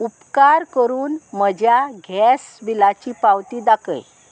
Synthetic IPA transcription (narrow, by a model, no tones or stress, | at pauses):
upkaɾkəɾuːnməd͡ʑjaɡʱɛsʋilat͡ɕiːpawt̪iːd̪akə̰j